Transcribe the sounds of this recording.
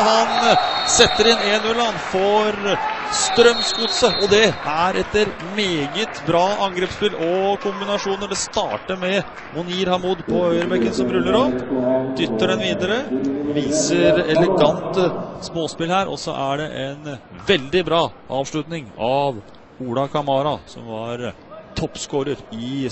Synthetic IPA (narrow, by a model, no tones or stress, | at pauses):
hɑnsɛt̪ːəɾɪnːeːnːʉlɑnfɔɾst̪ɾœmskʊt̪səʔɔd̪ɛʔæɾʔɛt̪ːəɾ | meːɡət̪bɾɑːɑŋɡɾeːpspɪlʔɔkʰʊmbɪnɑʂuːnəɖ̪ɛst̪ɑːʈəɾmɛ | mʊniːɾhɑmuːd̪pʰɔœʏəɾbɛkːənsɔmɾʉlːəɾɔpd̪ʏt̪ːəɖɛnʋiːd̪əɾəʋiːsəɾɛlɛɡɑnt̪smoːspɪlhæːɾʔɔ̰sɔ̰ʔæɖɛʔɛnʋɛld̪ɪbɾɑːʔɑ̰ːʋʂɭʉt̪nɪŋɑʋ | uːɽɑkʰɑmɑːɾɑsɔ̰mʋɑɾ | t̪ʰɔpːskoːɾəɾɪ